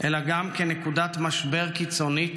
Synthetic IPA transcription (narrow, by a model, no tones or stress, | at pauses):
ʔelaɡamkenekudat̪maʃbe̞ʁkit͡so̞ni